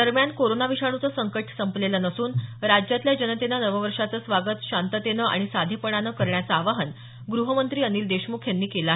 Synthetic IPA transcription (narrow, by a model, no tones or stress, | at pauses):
d̪əɾmjankoɾonaʋiɕaɽ̃ut͡səːsəŋkəʈʰsəmplelanəsuːnɾad͡ʑjat̪ljad͡ʑənət̪enanəʋəʋəɾʂat͡səːsʋaɡət̪ɕant̪ət̪enəʔa̰ɽ̃isad̪ʱjepəɽanəkəɾɳjat͡saːʋaɦən | ɡɾuɦəmənt̪ɾiːəniːld̪eɕmukʰjanːiːkelaɦe